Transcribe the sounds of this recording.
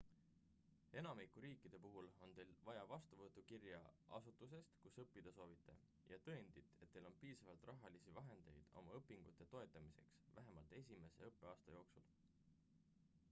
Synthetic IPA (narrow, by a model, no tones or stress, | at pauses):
e̞nɑmikuɾiːkːˑid̪̥e̞puɦulo̞nt̪e̞jlvɑjɑvɑst̪uvɤt̪ːˑukirjɑ̰ʔɑsut̪ːˑus̬e̞st̪kusɤpːid̪̥ɑso̞ːvit̪ːˑe̞̰ | jɑt̪ɤend̪̥it̪ːˑet̪ːe̞jlo̞npiːsɑvɑlt̪ˑrɑɦɑlisivɑɦe̞nd̪̥e̞jd̪̥o̞̰mɑɤpːˑiŋɡ̥ut̪ːˑe̞t̪o̞e̞t̪ːˑɑmise̞̰ksvæɦe̞mɑlt̪ˑe̞s̬ʲime̞se̞̰ɤpːe̞ɑːst̪ɑjo̞ːksul